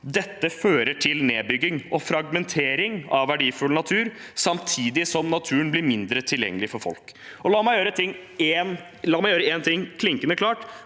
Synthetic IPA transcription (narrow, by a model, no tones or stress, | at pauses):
d̪ɛt̪ːəføːɾəʈʰɪlneːbʏɡːɪŋʔɔfɾɑɡmɛnt̪ʰeːɾɪŋɑʋʋæɖiːfʉlnɑt̪ʰʉːɾsɑmt̪ʰiːd̪ɪsɔmnɑt̪ʰʉːənblɪɾmɪnd̪ɾət̪ʰɪljɛ̰ŋːəlɪfɔɾfɔ̰lkɔlɑːmæɪjøːɾət̪ʰɪŋːeːn | lɑːmæɪjøːɾəeːnt̪ʰɪŋkʰlɪŋkənəkʰlɑːʈ